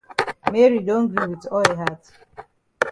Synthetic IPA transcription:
me˦ɾi˨dõ˦ndu˦wi˨tɔ˦lɦa˦t

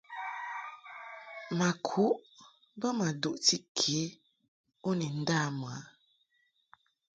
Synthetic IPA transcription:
ma˨kʰu˦ʔ | bə˦ma˨du˨ʔti˦kʰe˨˦ | o˦ni˨n̩˦da˦˨m˨a˨˦

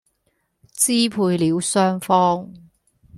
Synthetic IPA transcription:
t͡siː˥pʰuː˧jliː˨˥wsœː˥ŋfɔː˥ŋ

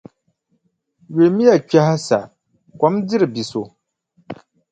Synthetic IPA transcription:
ɥe˨˦mi˦ja˨kɛ˦ɦa˦sa̰˨ | kʷɔ˨˦mdɨ˦ɾɨ˨bi˨so˨

